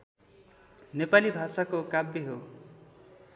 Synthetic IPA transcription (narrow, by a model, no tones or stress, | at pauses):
nepalibʱasakokabːeɦo